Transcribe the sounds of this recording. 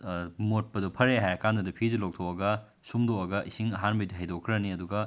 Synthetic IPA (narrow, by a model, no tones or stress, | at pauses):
mot̚pɐdupʰɐɾeɦajɐkandɐdɐpʰid͡ʒilok̚tʰowɐɡɐ | sumdoɐɡɐʔisiŋɐɦanbɐjdiɦajdokʰːɾɐniɐduɡɐ